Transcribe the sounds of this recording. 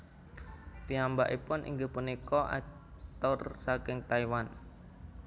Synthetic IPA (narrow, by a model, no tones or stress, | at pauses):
piambaʔipʊnʔḭŋɡəpunikɔʔa̰k̚ | t̪ɔrsakɪŋt̪aiwan